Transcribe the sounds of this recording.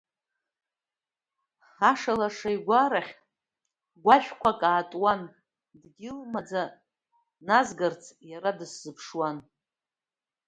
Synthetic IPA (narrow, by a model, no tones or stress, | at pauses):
aʂalaʂajɡʷaɾaχʲ | ɡʷaʃʷᶣkʷʰakʼaːtʼwan | dɡʲɪlmad͡za | nazɡart͡sʰjaɾadɨsːɨpʰʂwan